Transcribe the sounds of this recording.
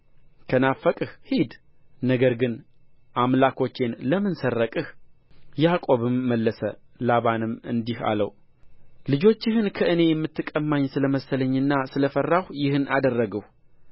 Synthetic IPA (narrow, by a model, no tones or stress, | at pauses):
kʰənafːəkʼɨhhid̪ | nəɡəɾɡɨn | ʔamlakʰo̞t͡ʃːenləmɨnsərːəkʼɨh | jakʼo̞βɨmːəlːəsə̰laβanɨmɨ̰nd̪iha̰ləw | lɨd͡ʒo̞t͡ʃːɪɦɨnkʰəʔɨne̞jɛmːɨt̪ʰːɨkʼəmːaɲsɨləməsələɲːɨnːasɨləfərːahjɪhɨnʔad̪ərːəɡəh